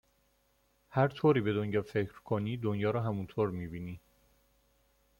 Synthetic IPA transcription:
hæɾt̪ʰoːɾiːbe̞d̪onjɒːfecʰɾkʰoniːd̪onjɒːɾɒːɦæmunt̪ʰoːɾmiːbiːniː

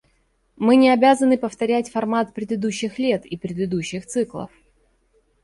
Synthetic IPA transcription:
mɨnʲɪɐbʲazənɨpəft̪ɐɾʲætʲfɐrmat̪̚pɾʲɪd̪ɨd̪uɕːɪxlʲe̞t̪ipɾʲɪd̪ɨd̪uɕːɪxt̪sɨklˠə̰f

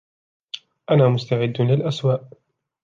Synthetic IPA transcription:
ʔanaːmʊst̪aʕɪd̪ːlɪlʔaswaːʔ

